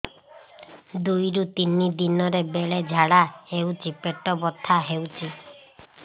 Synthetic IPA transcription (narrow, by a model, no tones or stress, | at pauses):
d̪ujɾut̪inid̪inɔɾebeɭed͡ʒʱaɽahewt͡ʃʰipeʈɔbɔt̪ʰːaɦewt͡ʃʰi